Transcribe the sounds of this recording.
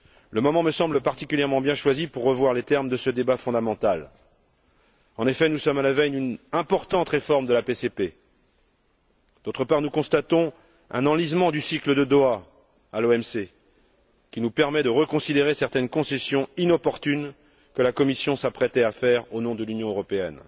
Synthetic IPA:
ləmɔmɑ̃məsɑ̃bləpaʁt̪ikʲyljɛʁmɑ̃bjɛ̃ʃwazipuʁːəvwaʁlet̪ɛʁmd̪əsəd̪ebafɔ̃d̪amɑ̃t̪al | ɑ̃nefɛnusɔmalavɛj̪ynɛ̃pɔʁt̪ɑ̃t̪ʁefɔʁmd̪əlapesepe | d̪̥ot̪χəpaʁnukɔ̃st̪at̪ɔ̃ | ɛ̰̃nɑ̃lizmɑ̃d̪ysikləd̪əd̪oa | aloɛmse | kʲinupɛʁmɛd̪əʁəkɔ̃sid̪eʁesɛʁt̪ɛnkɔ̃sɛsjɔ̃inɔpɔʁt̪yn | kəlakɔmisjɔ̃sapχɛt̪ɛafɛʁonɔ̃d̪əlynjɔ̃øʁɔpeɛ̰n

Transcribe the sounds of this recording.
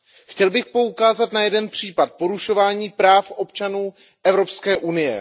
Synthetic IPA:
xcɛlbɪxpo̞ukaːzat̪najɛdɛnpr̝̥iːpat̪̚po̞ɾuʃo̞vaːɲiːpɾaːfʔo̞pt͡ʃanuː | ʔɛvɾo̞pskɛːʔunɪjɛ̰

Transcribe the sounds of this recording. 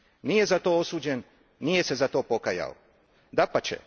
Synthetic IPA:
nije̞zat̪o̞ːosuːd͡ʑe̞nː | ije̞se̞zat̪o̞ːpo̞kaja̰o̰ | d̪apat͡ɕḛ

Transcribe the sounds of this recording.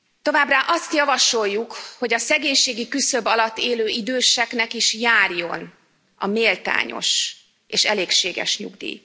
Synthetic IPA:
t̪o̞vaːbraːʔɒst̪jɒvɒʃo̞jːukho̞ɟɒsɛɡeːɲʃeːɡikysø̞bɒlɒt̪ːeːløːid̪øːʃɛknɛkiʃjaːrjo̞n | ɒ̰meːlt̪a̰ːɲo̞̰ʃ | eːʃɛleːkʃeːɡɛ̰ʃɲṵɡd̪ḭː

